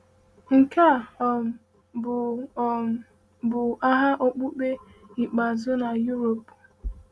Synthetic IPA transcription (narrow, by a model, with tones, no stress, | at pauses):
ŋ̩˨ka˦˨ɔ˨ | b | bʊ˨a˦ɦa˦ʔo˦k͡pu˦k͡pe˦i˨k͡pa˨zʊ˦na˨ju˦ɾo˨p